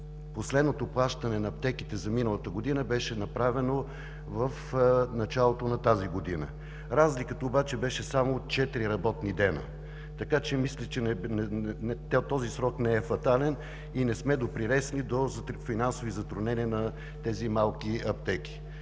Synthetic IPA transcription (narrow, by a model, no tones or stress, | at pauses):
poslɛd̪not̪oplˠaʃt̪ɐnɛnɐːp̚t̪ɛkit̪ɛzɐminəlˠət̪əɡod̪inəbɛʃɛnɐpɾavɛno | vəfnɐt͡ʃalˠot̪onɐt̪aziɡod̪inə̰ | ɾazlikət̪əobat͡ʃɛbɛʃɛsamot͡ʃɛt̪ɾiɾɐbɔt̪nid̪ɛnə̰ | t̪ɐkat͡ʃɛmislʲɛt͡ʃɛnɛnɛt̪t̪ːɔzisɾɔknɛɛfɐt̪alɛn | inɛsmɛd̪opɾilɛsnid̪ozfinansovizɐt̪ɾʊnɛniənɐ | t̪ɛzimalˠkiɐpt̪ɛki̥